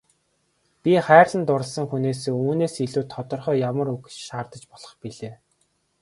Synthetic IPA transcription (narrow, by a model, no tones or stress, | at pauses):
pʲiχæːrɮə̆nt̪ʊɾə̆ɮsə̆ŋxuneːseːuːneːsiɮuːt̪ʰːɔt̪ɞ̆rχœːjamə̆ɾuɣt͡ɕʃaːrt̪ə̆t͡ɕpɔɮ̥ɞ̆χpiɮeː